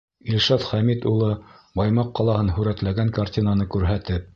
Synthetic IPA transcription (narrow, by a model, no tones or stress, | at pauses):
ilʲʃɑt̪χæmit̪ulˠɤbɑjmɑqːɑlˠɑhɤnɦʉɾæt̪læɡæŋkartʲinanɤkʉɾɦæt̪ɘp̚